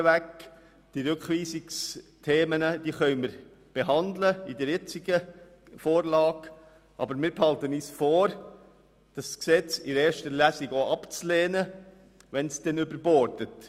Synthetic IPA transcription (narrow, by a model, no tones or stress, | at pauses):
ʋæk | d̥iɾʉkχʋiːsikstʰeːmənəd̥iːχœʏməɾ | b̥eɦɑndləidɛɾjɪt͡sɪɡə | foːɾlɑːɡ | ʔɑ̰bəɾmɪːɾphɑltəniːsfoːɾ | d̥ɑsksɛt͡sɪɾeːɾʃtəlæsiɡoʔɑpt͡sleːnə | ʋɛnsd̥ɛnʏbəɾbɔɾtət